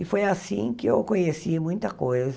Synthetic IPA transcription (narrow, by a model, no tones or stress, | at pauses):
ɪfojasĩkɪḛwkõɲesimũj̃t̪ɐkojz